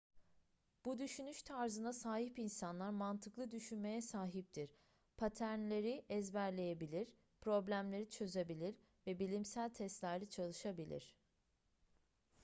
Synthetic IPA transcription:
b̥ud̪yʃynyʃt̪ʰaɾzɯnasaːɦipinsanlˠaɾmant̪ʰɯklˠɯd̪yʃynme̞jɛsaːɦip̚t̪ʰiɾ̥ | pʰat̪ʰæɾnlʲe̞ɾiʔɛzbæɾlʲe̞jebilʲiɾ | pʰɾo̞blʲæmlʲe̞ɾit͡ʃʰø̞zebilʲiɾ | vɛbilʲimsælʲt̪ʰɛst̪lʲæɾlʲɛt͡ʃʰalˠɯʃabilʲḭɾ̥

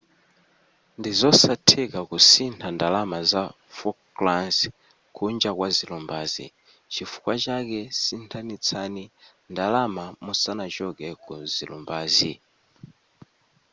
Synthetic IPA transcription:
ndizɔsatʰɛkakusintʰandalamaza | fɔklans | kʰund͡ʒakwazilumbaːzḭ | t͡ʃifu̥kwat͡ʃakɛsintʰanit͡sʰani | ndalamamusanat͡ʃɔɡɛkɔzilṵmbaːzi

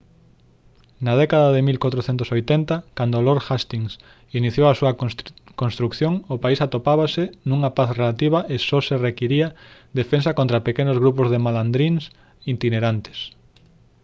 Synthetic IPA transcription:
nað̞ɛkaðaðemilkwat̪ɾoθent̪ʊsojt̪ɛnt̪ɐkand̪oloɾxast̪iŋs | iniθjoasuɐkonst̪ɾukθjoŋʊpaisat̪opaβasɪnũŋɐpaθrelat̪iβ̞ɐʔesɔserekiɾiɐd̪efensɐkont̪ɾapekenozɣɾupozðemaland̪ɾins | int̪ineɾant̪e̥s

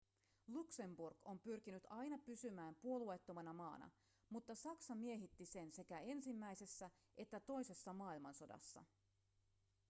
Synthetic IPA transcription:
lukse̞mburɡo̞mpyrkinyt̪ɑjnɑpysymæːmpuo̞luejt̪ːomɑnɑmɑːnɑ̰ | mut̪ːɑsɑksɑmie̞ɦit̪ːise̞nse̞kæe̞nsimːæjse̞sːæ | ʔe̞t̪ːæt̪o̞jse̞sːɑmɑːilmɑnso̞dɑ̰sːɑ̰

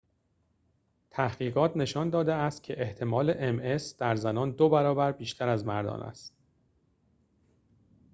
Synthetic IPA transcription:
t̪ʰæhɡiːɣɒːt̪ʰne̞ʃɒːnd̪ɒːd̪eæst̪̚cʲʰe̞ʔeht̪ʰe̞mɒːle̞ʔeme̞sd̪̥æɾzænɒːnd̪obæɾɒːbæɾbiːʃt̪ʰæɾæzmæɾd̪ɒ̰ːnæ̰st̪̚

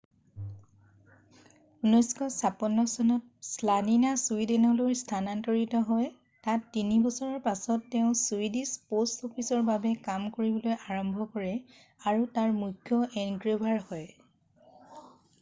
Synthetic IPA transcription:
unɔjskɔsapɔnːɔsɔnɔt̚slaninasuidɛnɔloɹstʰanantɔɹitɔɦɔj | tatːinibɔsɔɹɔɹpasɔtːɛʊ̃suidispostɔpʰisɔɹbabɛkamkoɹibɔlojʔaɹɔmbʱɔkɔɹɛ | aɹutaɹmujkʰːjɔʔɛnɡɹebʱaɹhɔj

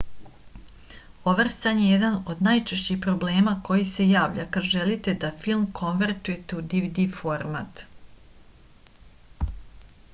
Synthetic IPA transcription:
o̞ʋrsaɲjejed̪ano̞d̪naːjt͡ʃeʃt͡ɕixpɾo̞ble̞ːmako̞jise̞jaːʋʎakad̪ʒelit̪e̞d̪afilˠmkʰo̞nʋeɾt̪uje̞t̪ud̪iʋid̪ifo̞ɾmat̪

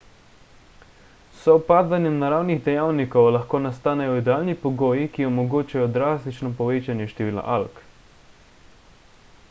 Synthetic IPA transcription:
sɔwpaːzanjɛmnaɾaːwniɣd̪ɛjaːwnikɔwlaxkoːnast̪aːnɛjɔid̪ɛaːlnipɔɡoːjikiɔmɔɡoːt͡ʃajɔd̪ɾaːst̪it͡ʃnɔpɔʋeːt͡ʃanjɛʃt̪ɛʋiːla̰ʔalk

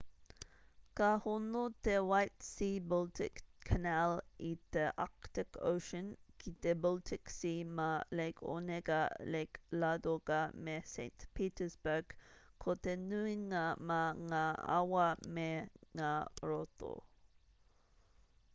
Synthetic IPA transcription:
kahunut̪ewajt̪siːbɔlt̪ɪkkʰːanalit̪eʔak̚t̪ɪkʰo̰ʊʃənkit̪ebɔlt̪ʰɪksimalekʰo̰neɡaleklad̪oɡamesḛɪnt̪pʰiːt̪əsbəɡ̥kʰːot̪enʉiŋamaŋaa̰wɐmeŋaɹot̪o̰

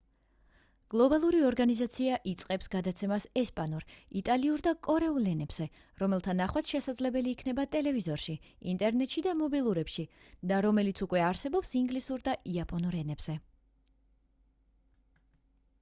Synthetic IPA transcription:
ɡ̥lˠɔbalˠuɾiɔɾɡanizat̪sʰiaʔit̪sʼqʼɛpsɡad̪at̪sʰɛmasɛspʼanuɾit̪ʼaliuɾd̪akʼɔɾɛulˠɛnɛbz̥ɛ | ɾɔmɛlˠt̪ʰanaχwat̪ʃɛsad̪zlɛbɛliːkʰnɛbat̪ʼɛlɛvizɔɾʃi | int̪ʼɛɾnɛt̪ʃid̪amɔbilˠuɾɛpʃi | d̪aɾɔmɛlit̪sʰukʼwɛaɾsɛbɔpsiŋɡlisuɾd̪aʔiapʼɔnuɾɛnɛbz̥ɛ

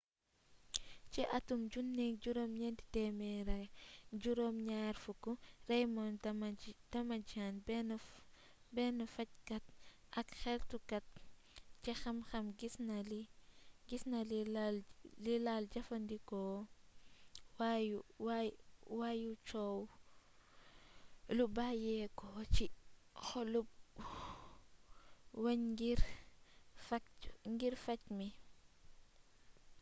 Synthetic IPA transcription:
t͡ʃiʔɐtumɟunːɛkɟuɾoːmɲɛndi̥tɛmɛɾɐɟuɾoːmɲaːɾfukuɾɛjmɔn | dɐmɐd͡ʒanbɛn | bɛnɐfɐc̚kɐt̚ɐkxɛltukɐt̚ | t͡ʃɛxɐmxɐmɡisnɐliɡisnɐl | lilalɟɐfɐndikɔː | wajuwwajut͡ʃɔw | lubajɛkɔt͡ʃixɔlup̚ | wɐɲɡiɾ | fɐŋɡiɾfɐcmi

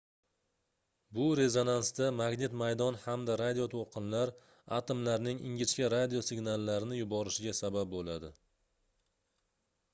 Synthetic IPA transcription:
bʊɾe̞zo̞nansd̪amaɡne̞t̪majd̪ɒnhamd̪aɾad̪ijo̞t̪ʰolˠqʰɨnlaɾ | at̪ʰomlaɾnɪŋɪ̰ŋʲɪt͡ʃkʲaɾad̪ijosɪɡnalˠːaɾɪnɪjʊbɒɾɪʃɪɡʲasabap̚bolad̪ɪ

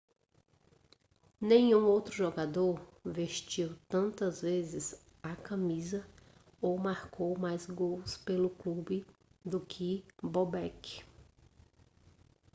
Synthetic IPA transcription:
nẽj̃ũowt̪ɾʊʒoɡad̪oɾveʃt͡ʃiwt̪ɐ̃nt̪ɐzvezɪz | akɐ̃mizɐ | owmaɾkowmajzɡowspelʊklubɪ | d̪ʊkʰɪbobɛkɪ̥

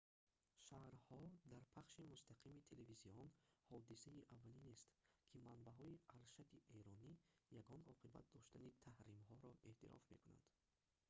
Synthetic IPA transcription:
ʃahɾhɔd̪aɾpʰaχʃimust̪aqʰimit̪ʰe̞leviziɔnhɔd̪iseiʔavːalinest̪kʰimanbaɦɔiaɾʃat̪ʰieɾɔnijaɡɔnɔqʰiba̰t̪̚d̪ɔʃt̪anit̪ʰahɾimɦɔɾɔʔe̞ht̪ḭɾɔ̰fmekuna̰nd̪̥

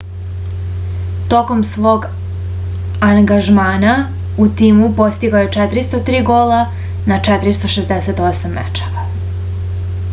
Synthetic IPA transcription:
t̪oko̞msʋo̞ːɡ | aŋɡaʒmaːna | ut̪iːmupo̞st̪iɡajut͡ʃɛt̪ɾist̪ot̪ɾiːɡola | nat͡ʃɛt̪ɾist̪o̞ʃezd̪eset̪osamːḛt͡ʃḁɾa

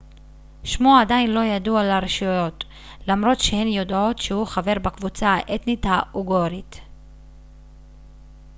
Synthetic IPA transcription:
ʃmuadainlo̞jadualaɾeʃujo̞t | lamɾo̞t̪ʃehe̞njo̞do̞tʃehuχave̞ʁbakvut͡saʔet̪nitauɡoɾit̪

